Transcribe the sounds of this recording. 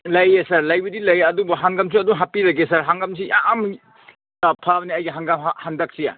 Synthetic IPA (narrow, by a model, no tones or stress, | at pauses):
lɐjesɐɾlɐjbɐdilɐjɐdubɐɦaŋɡɐms̬uɐduŋɦapiɾɐɡesɐɾɦaŋɡɐmsijam | pʰabniɐjɡiɦaŋɡɐmhandɐk̚sija̰